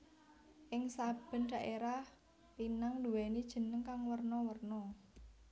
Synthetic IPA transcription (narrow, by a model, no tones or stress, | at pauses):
ʔɪŋsab̥ə̤nɖ̥ä̤ʔeɾah | inaŋduwɛnid̥ʒ̥ə̤nəŋkaŋwərnɔwərnɔ